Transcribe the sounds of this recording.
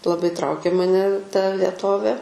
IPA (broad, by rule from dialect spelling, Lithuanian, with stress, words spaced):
lˠɐˈbɐɪ ˈtrɐʊkʲeː mɐˈnʲɛ tɐ ʋʲiɛˈtoːʋʲeː